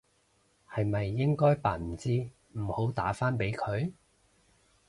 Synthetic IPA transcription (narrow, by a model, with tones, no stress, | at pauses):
hɐ˨jmɐ˨jːɪ˥ŋkɔː˥jpa̰ː˨m̩˨˩t͡siː˥ | m̩˨˩ho˨˥wt̪a̰ː˨˥faː˥npe˨˥jkʰɵ˨˧ɥ